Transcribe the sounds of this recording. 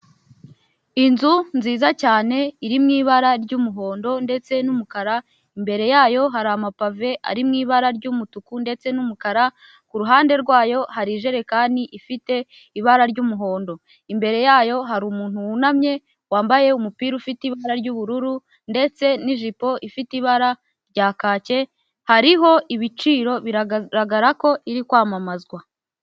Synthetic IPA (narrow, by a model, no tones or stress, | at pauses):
inzunziːzacaːne̞iɾimŋiːβaɾaɾɟumuɦo̞ːndo̞nde̞t͡se̞numukaɾa | imbe̞ɾe̞jaːjo̞ɦaɾamapave̞ʔa̰ɾimŋiːβaɾaɾɟumutukunde̞t͡se̞numukaɾa | kuɾuɦaːnde̞ɾɡwaːjo̞haɾiʒe̞ɾe̞kaːndiʔifite̞ | iβaɾaɾɟuːmuɦo̞ːndo̞ | imbe̞ɾe̞jaːjo̞ɦaɾuːmuːn̥huwunamɲe̞ | waːmbaje̞umupiːɾufitiβaɾaɾɟuːβuɾuɾu | nde̞t͡se̞niʒipo̞ʔifitiβaɾa | ɾɟaːkaːce̞ | haɾiɦo̞ʔiβit͡ʃiːɾo̞βiɾaɡaɾako̞ʔiɾikwaːmamazɡwa